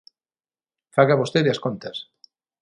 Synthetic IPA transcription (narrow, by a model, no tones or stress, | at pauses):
faɣaβost̪eðeaskont̪ɐs